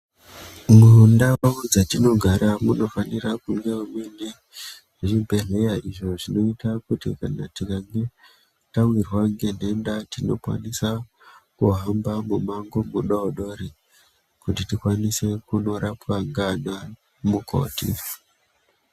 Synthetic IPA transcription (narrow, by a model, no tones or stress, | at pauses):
mweɦundaaud͡zatino̞ɡʱaɾamuno̞fanirakuŋɡeumene | ʐibʱe̞ɮe̞jaʔiʐo̞ʐino̞itakutḭkanatikaŋɡe̞ | tawirwaŋɡe̞n̤e̞ndatino̞̰kwa̰nisa | kuɦambamumaŋɡo̞muɗooɗo̞ɾi | kutitikwanise̞kuno̞ɾʔapwaŋɡana | muko̞̰ːtḭ